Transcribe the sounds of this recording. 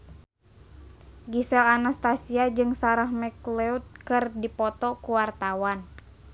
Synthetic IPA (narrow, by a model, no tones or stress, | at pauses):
ɡisɛlanast̪asiad͡ʒɨŋsaɾahmɛklɛut̪̚kɨrdipɔt̪ɔkuwart̪awan